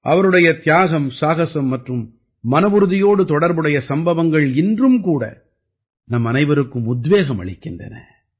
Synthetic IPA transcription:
ʔɐʋɐɾɯɽɐjɐt̪ɪjaːɣɐmsaːɣɐsɐmːɐʈrɯmː | ɐnɐʋɯɾɯðɪjoːɽɯt̪ɔɽɐɾbɯɽɐjɐsɐmbɐʋɐŋɡɐɭɪndrɯmkuːɽɐ̰ | nɐmːɐnɐɪʋɐɾɯkːɯmʊd̪ʋeːɣɐmɐ̰ɭɪkːɪndrɐ̰nɐ̰

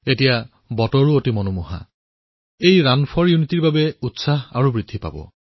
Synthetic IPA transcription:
etija | bɔtɔɹuotimɔnumuɦa̰ | ejɹanpʰɔɹjunitiɹbabɛutsaɦa̰ɹubɹid̪ʱːipa̰bɔ̰

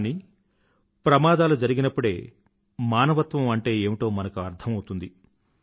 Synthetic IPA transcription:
ni | pɾɐmaːd̪aːlud͡ʒɐɾiɡinɐpːuɽe̞̰ː | maːnɐʋɐt̪ʋɐmɐɳʈe̞ːeːmiʈo̞ːmɐnɐkuɐɾt̪ʰɐmɐwut̪und̪i

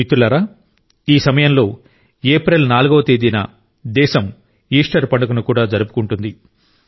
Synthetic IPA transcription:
it̪ːulɐɾaː | iːsɐmɐjɐmlo̞ː | eːpɾɐlnaːluɡoʋɐt̪e̞ːd̪inɐ̰ | d̪ɛːʃɐm | iːʂʈɐɾpɐɳɖɐkunukuːɽaːd͡ʒɐɾupu̥kuɳʈund̪i

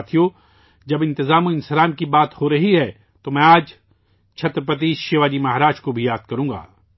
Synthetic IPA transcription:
t̪ʰijo | d͡ʒɐbɪ̃nt̪ɪzaːmoɪ̃nsɪɾaːmkibaːt̪hoɾɐɦiɦɛː | t̪omɛ̃aːd͡ʒ | t͡ʃʰɐt̪ɾpɐt̪̬iːʃeːʋaːd͡ʒimɐɦɾaːd͡ʒkobʱijaːd̪̚kɐɾũːɡa̰ː

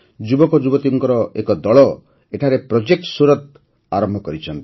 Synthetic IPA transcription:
d͡ʒubɔkɔd͡ʒubɔt̪iɔŋkɔɾɔekɔd̪ɔɭɔ | eʈʰaɾepɾod͡ʒek̚ʈsuɾɔt̪̚ | a̰ɾɔmbʱɔkɔɾit͡ʃʰɔnt̪i̥

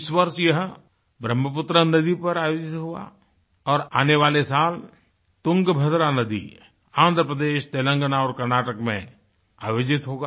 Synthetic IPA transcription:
ɪswəɾʃjɐɦ | bɾəmːəpʊt̪ɾənɐd̪ipɐɾaːjoːd͡ʒɪt̪ɦua̰ | ɔːɾaːneʋaːlesaːl | t̪ʊ̃ŋɡbʱəd̪ɾanəd̪ḭ | ãːnd̪ʱɾəpɾəd̪eːʃt̪eːlə̃ŋɡənaɔːɾkɐɾnaːʈəkmḛ̃ | a̰ːjoːd͡ʒɪt̪ɦoːɡaː

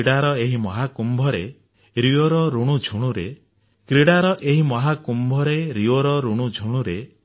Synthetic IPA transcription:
ɽaɾɔeɦimɔɦakumbʱɔɾe | ɾioɾɔɾuɽ̃ud͡ʒʰʱuɽ̃uɾe | kɾiɽaɾɔʔeɦimɔɦakumbʱɔɾeɾioɾɔɾuɽ̃ud͡ʒʱuɽ̃uɾe

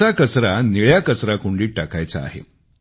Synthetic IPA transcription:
akət͡sɾaniɭjakət͡sɾakuɳɖiːʈakajt͡saa̰ɦḛ

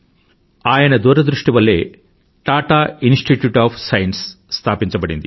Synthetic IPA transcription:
aːjɐnɐd̪uːɾɐd̪ɾuʂʈiʋɐlːe̞̰ː | ʈaːʈaːinsʈiʈjuːʈaːpʰsɐjɐnsː | t̪ʰaːpiɲt͡ʃɐbɐɽḭnd̪ḭ

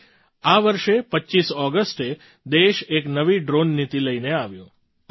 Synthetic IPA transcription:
aʋəɾʃepəːʃisɔɡəsʈe | d̪eʃeknəʋiɖɾonːit̪iləineaʋjũ

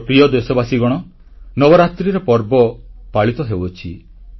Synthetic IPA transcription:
pɾiɔd̪esɔbasiɡɔɽ̃ɔ | nɔbɔɾat̪ɾiɾɔpɔɾbɔpaɭit̪ɔɦewɔt͡ʃʰi

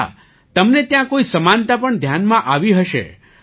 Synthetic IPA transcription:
t̪əmnet̪jãkoisəmant̪apəɳd̪ʱjanmãʔaʋiɦəʃḛ

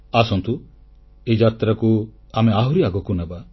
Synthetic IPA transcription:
asɔnt̪u | ed͡ʒat̪ɾaku | ameaɦuɾiaɡɔkunaba

